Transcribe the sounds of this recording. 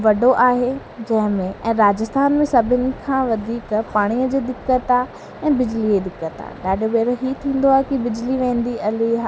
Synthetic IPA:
ʋɐɖoʔaːɦe | d͡ʑɐ̃ɦɪ̃mẽʔɛ̃ːɾaːd͡ʑəst̪ʰaːnmẽsɐbʱɪnɪ̆kʰãːʋɐd̪ʱiːkpaːɽ̃iːəd͡ʑeːd̪ɪkːət̪aː | ɛ̃ːbɪd͡ʑlid͡ʑeːd̪ɪkːət̪a̰ːɗaːɖʱobeːɾoɦiːt̪ʰĩːnd̪oaːɦekibɪd͡ʑliʋẽːn̆d̪iɐliɦa

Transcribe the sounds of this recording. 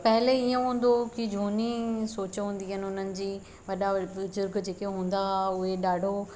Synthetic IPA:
pɛɦɪleijõɦũːn̆d̪okid͡ʑʱoːnisoːt͡ɕɦũːn̆d̪iɦɪnɪ̆ʊn̤ənɪ̆d͡ʑiː | ʋɐɗabʊzʊɾɡd͡ʑeːkeɦũːn̆d̪aʊɦeɗaːɖʱo

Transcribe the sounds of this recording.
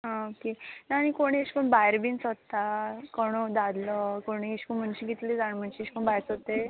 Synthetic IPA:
ɦãokenaːñikoɽ̃ieɕpəɳbajɾbint͡sət̪ːakɔɽ̃od̪ad̪lɔkoɽ̃iiɕkəm̤əɳɕiɡit̪lid͡zaɳm̤əɳɕieɕi̥pəɳbajɾt͡sot̪e

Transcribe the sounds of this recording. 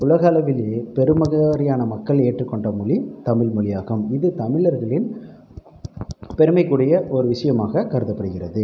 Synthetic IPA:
ʊlɐɣaːlɐʋɪleːpɛɾɯmɐɣɐɾɪjaːnɐmɐkːɐɭeːʈrɯkːɔɳɖɐmʊlit̪ɐmɪlmɔɭɪjaːɣɐmɪðɯt̪ɐmɪɭɐɾɣɐɭɪn | pɛɾɯmɐɪkːuːɽɐjɐʔɔɾɯʋɪʂɐjɐmaːɣɐkɐɾɯðɐpːɐɽɯɣɪrɐðɯ

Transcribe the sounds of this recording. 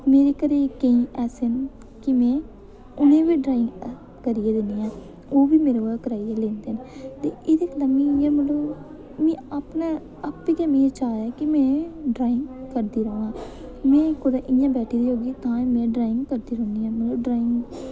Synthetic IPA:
meːɾeːkəɾeːkəĩːʔɛːsen | kɪmɛ̃ː | ʊnẽːʋiːɖɾaːɪ̃ŋɡ | kəɾiːeːd̪eniːãː | oːʋiːmeːɾoaːkəɾaːielẽːnd̪eːneːt̪eːʔɪd̪eːklaːmĩːjãməloː | mɛ̃ːaːpnaː | apːiːkɛːmĩːet͡ʃaːjɛːkɪmɛ̃ːɖɾaːɪ̃ŋɡkəɾd̪iːɾəõãːmɛ̃ːkʊd̪ãːʔɪ̃jãːbɛːʈʰiːd̪iːɦoːɡiːt̪ãːmɛ̃ːɖɾaːɪ̃ŋɡkəɾd̪iːɾoːniːãːməloːɖɾaːɪ̃ŋɡ

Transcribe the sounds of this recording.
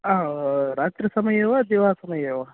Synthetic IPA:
aɾaːt̪ɾəsɐməjeʋad̪iʋasɐməjeʋa

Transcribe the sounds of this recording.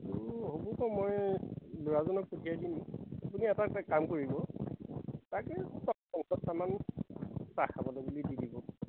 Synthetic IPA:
tuɦobɔtɔmɔjlʊɹazɔnɔk̚potʰiajdinapuniatakamkoɹibɔ | stakɛtɔsɔŋsɔtsaman | saxʰabɔlobulididibɔ

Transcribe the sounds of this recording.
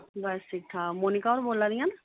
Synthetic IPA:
bɛsɪk̚ʈʰaːmoːnɪkaɔːɾboːlːaːd̪ɪjãːna

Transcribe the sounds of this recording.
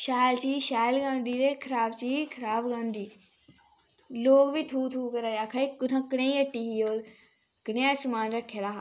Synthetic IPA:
ʃaːlt͡ʃiːʃaːlɡãːnd̪iːd̪eːkʰəɾaːbt͡ʃiːkʰəɾaːbɡãːnd̪iː | loːɡʋit̪ʰuːt̪ʰuːkəɾaːaːkʰaikʊt̪ʰãkɽẽːĩəʈːiːɦiːoːl | ɡɪneãːsmaːnɾəkʰːelaː

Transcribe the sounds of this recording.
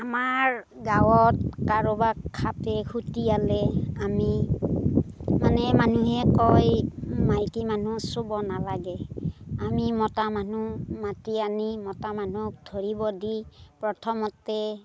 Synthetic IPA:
amaɹ | ɡawɔt̚kaɹobakʰːatɛkʰutialɛami | manɛmanuɦɛkɔjmajkimanusobɔnalaɡɛamimɔtamanumatianimɔtamanuk̚dʱoɹibɔdipɹɔtʰɔmɔtːɛ

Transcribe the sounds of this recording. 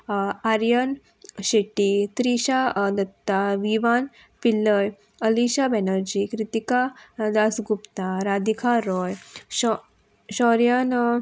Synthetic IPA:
aɾjən | ɕeʈit̪ɾiɕad̪ət̪ːaʋiʋan | pilːəj | əliɕabɛnəɾd͡ʑikɾit̪ikad̪asɡupt̪aɾad̪ikʰaɾɔjɔ | ɕɔɾjan

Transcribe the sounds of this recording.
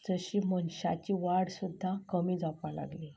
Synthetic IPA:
d͡zəɕiːmənɕa̰t͡ɕiʋaɽsud̪ʱːakəmiːd͡zapala̰ɡli

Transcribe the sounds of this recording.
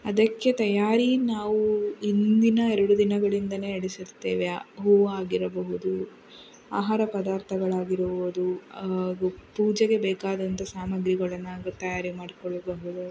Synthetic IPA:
ɐd̪ɐkːe̞t̪ɐjaːɾinaːʋuind̪inɐɛɾɐɽud̪inɐɡɐɭind̪ɐne̞ːɐɽisiɾt̪ːeːʋeɦuːʋɐaːɡiɾɐbɐɦud̪u | aːɦaːɾɐpɐd̪aːɾt̪ʰɐɡɐɭaːɡiɾɐʋod̪uɐɡupuːd͡ʒɐɡe̞bɛːkaːd̪ɐnt̪ɐsaːmɐɡɾiɡɐɭɐnːaːɡɐt̪ɐjaːɾimaːɽikɔɭːɐbɐɦud̪u

